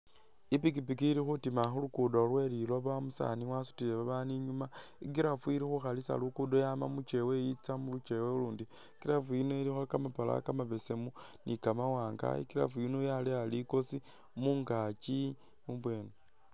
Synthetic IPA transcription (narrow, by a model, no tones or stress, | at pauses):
ipikipikiiɾixutimaxulukudolwe̞liloβamusa̰niwasu̥tile̞βaβaniɲuma | ikiɾafuiɾixuxalisa̰lukudojaːma̰mut͡ʃe̞wejit͡samulut͡ʃe̞weuluːndi | kiɾafuinoilixwakamapala̰kamaβe̞se̞mu | nikamawaːŋɡa̰ḭkiɾa̰fuinojalialiko̞si | muŋɡat͡ʃi | muβwe̞ːno